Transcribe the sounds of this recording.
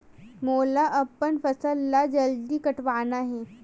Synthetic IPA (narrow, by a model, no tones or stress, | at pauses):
molaʔəpːəɳfəsəlːad͡ʑəld̪iːkəʈʋanaɦe